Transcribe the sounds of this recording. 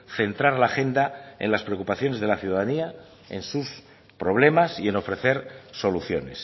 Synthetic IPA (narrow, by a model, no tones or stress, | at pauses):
θe̞nt̪ɾaɾlaːxe̞nd̪ae̞nlaspɾeokupaθjo̞ne̞zðe̞laθjuðaðania | ḛnsus | pɾo̞β̞le̞masie̞no̞fɾe̞θe̞ɾso̞luθjo̞̰ne̞s